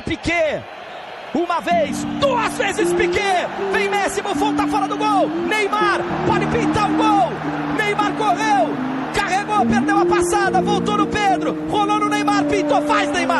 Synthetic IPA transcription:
pike | ũmɐvejsd̪uɐzvezɪspikevẽj̃mɛsimʊvowt̪afɔɾɐd̪ʊɡownejmaɾpɔd̪ɪpĩnt̪aɾʊɡow | nejmaɾkoʁew | kaheɡowpeɾd̪ewɐpasad̪ɐvowt̪onʊped̪ɾʊ | ʁolonʊnejmaɾpĩt̪ofajznejma

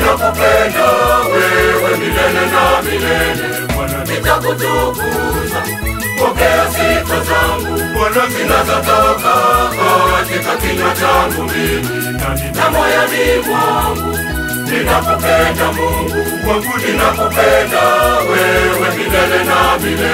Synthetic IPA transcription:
napɔpɛndawɛwɛmilɛlɛnaminɛnɛ | kananitakut̪uku | za | pɔkɛasikazaŋɡukanazinazatakakaakikakiɲat͡ʃaŋɡumimi | naninamɔjanimwaŋɡu | ninapɔpɛndamuŋɡu | aɡuninapɔpɛndawɛwɛminɛlɛnaminɛ

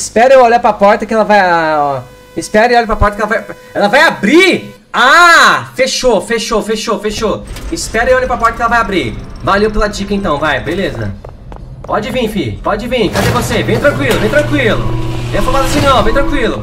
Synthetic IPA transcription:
spɛɾʊewolapɾapɔɾt̪ɐkɪɛlɐvaj | ɪspɛɾʊewɔʎʊpɾapɔɾt̪ɐkɪɛlɐvaj | ɛlɐvajabɾi | afeʃofeʃofeʃofeʃoɪspɛɾʊewɔʎepɾapɔɾt̪ɐkɪɛlɐvajabɾivalewpelɐd͡ʒikɐẽnt̪ɐ̃w̃vajbelezɐ̰ | pɔd͡ʒɪvĩfĩpɔd͡ʒɪvĩfazeɾvosebẽj̃t̪ɾɐ̃kwilʊbẽj̃t̪ɾɐ̃kwilʊ̰d̪ẽj̃ɐpomad̪ɐsĩnɐ̃w̃bẽj̃t̪ɾɐ̃kwilʊ

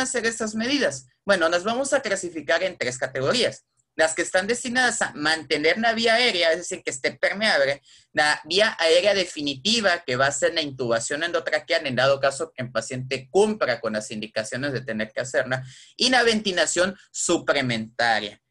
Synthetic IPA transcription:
ase̞ɾe̞st̪azme̞ð̞iðas | bwe̞no̞nazβamo̞saklasifikaɾe̞nt̪ɾe̞skat̪e̞ɣo̞ɾias | laskeːst̪and̪e̞st̪inaðasamãnt̪e̞ne̞ɾnaβ̞iaːe̞ɾjaezðesiɾkest̪e̞pe̞ɾmeaβle̞ | naβiaʔae̞ɾjað̞e̞finit̪iβ̞ake̞βaːse̞ɾlaint̪uβ̞asjonend̪ot̪ɾakeane̞nd̪að̞o̞kaso̞kempasje̞nt̪e̞kumpɾako̞nlasind̪ikasjo̞ne̞zðe̞t̪e̞ne̞ɾkease̞ɾnainaβe̞nt̪inasjo̞nsuple̞mẽ̞nt̪aɾja̰

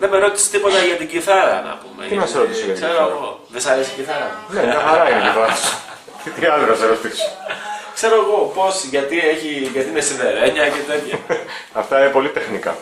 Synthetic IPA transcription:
nemeɾo̞t̪ise̥t̪ipo̞t̪ɐʝɐt̪iɟiθɐɾɐ̰nɐ̰pumḛt̪imɐsɾot̪isoɐt̪kseɾoɣo̞ðesɐɾesiɟiθɐɾɐneɐxɐɾɐineiθɐɐso̥ | t̪it̪iɐld̪ɾoɐseɾo̞t̪iso̥kse̞ɾoːɣo̞po̞sʝɐt̪ieçiʝɐt̪iinesinve̞ɾeɲɐcet̪et̪çɐɐft̪ɐinepo̞lit̪e̞xnikɐ̰

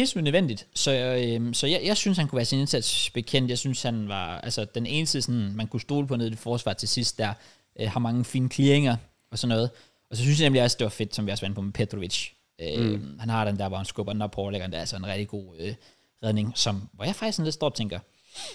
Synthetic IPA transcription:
hḛlsymnøʋen̰d̥id̥sɒ̽øsɒ̽jɑɪjɑ̈ɪsynshænkʰuʋæːɐsine̝nsæd̥sb̥e̝kʰen̰d̥jɑ̈synshænʋɑ̈ælsɐd̥ene̝ːnəsiðˠsɒnmænkʰusd̥o̝ːləpʰɒ̽no̝ð̩ˠifɒːsʋɑ̰̈t͡sʰe̝sisd̥ːæɐ̰ | ʔøhɑ̈mɑ̈ŋəfḭːnəkʰlieŋɐ | ɒ̽sɒ̽nːɔ̽ːð̞̩ˠ | ɒ̽sɒ̽synsjɑnemliɒ̽sd̥e̝ʋɑ̈fe̝d̥sɒ̽mʋiɒsʋɑnəpʰɒ̽mepʰed̥ʁoʋi̥ɕ | øhænhɑ̈ɾemd̥æɐʋɒhænsɡ̥ɔb̥ɐdenɒ̥pʰɒːleɡɐnd̥æɐælsɒe̝nʁɛɡ̥̚d̥iɡ̥o̝̰ːø | ʁɛðˠne̝ŋsɒ̽mʋɒjɑ̈ɪfɑ̈ɡ̥d̥isɒnle̝d̥sɒ̰ːb̥t͡sʰeŋɡ̥ɐ

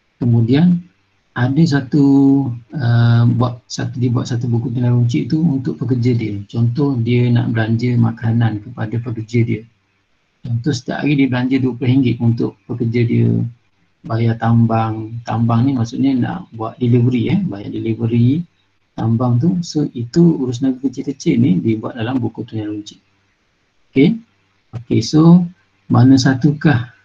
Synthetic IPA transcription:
kəmudian | adəs̬at̪u | əbuaʔsat̪udiəbuaʔ̪̚sat̪ubukuʔt̪inaɾuɲt͡ʃɪʔt̪uunt̪ʊʔpəkərd͡ʒədiət͡ʃɔnt̪ɔhdiəna̰ʔbəlaɲd͡ʒəma̰kanankəpadapəkərd͡ʒədiə | t͡ʃɔnt̪ɔhsə̥t̪ia̰ʔa̰ɡidiəbəlaɲd͡ʒəd̪uəpɾəɦiŋɡɪʔunt̪ʊʔpəkərd͡ʒədiə̰ | bajat̪ambaŋt̪ambaŋnimaʔsuʔɲəna̰ʔbuaʔ̚dilivɾiɛbaja̰ʔdilivəɾi | t̪ambaŋt̪̬usoit̪uuɾʊs̬nabikət͡ʃɪkət͡ʃɪʔnidibuat̪̚dalambukut̪unaluɲt͡ʃɪ̥ʔ | oke | okeso | manəs̬at̪ukah

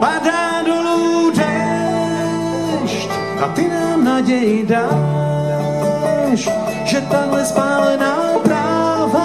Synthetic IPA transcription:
pada | duludɛ | ʃt | a̰t̪ɪnanaɟɛjɪda | ʃ | ʒɛt̪amɛspaːlɛnaɔbɾav

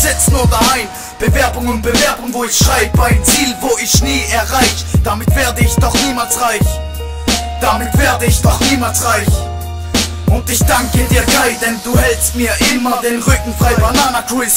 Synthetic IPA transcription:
z̥ɛt͡snuːɐdahaɪn | b̥əvɛɐbʊŋʊnt̚b̥əvɛɐbʊŋvoːɪçʃʁ̥aɪbəbaɪnt͡siːlvoːɪçniːɛɐʁaɪçd̥amɪtv̥eːɐdəɪçd̥ɔχniːmaːlsʁaɪç | d̥amɪtv̥eːɐdəɪçd̥ɔχniːmalsʁaɪç | ʔʊntɪçd̥aŋkədiːɐɡaɪd̥ɛnduːhɛlst̚miːɐʔɪmɐdeːnʁʏkŋ̩fʁ̥aɪbanaːnɐkʁ̥ɪs

